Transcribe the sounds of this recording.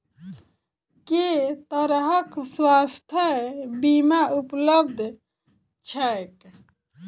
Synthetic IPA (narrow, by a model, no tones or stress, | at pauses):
ket̪əɾɦəkswast̪ʰjəbimaupləb̚d̪ʱ | t͡ʃʰɛek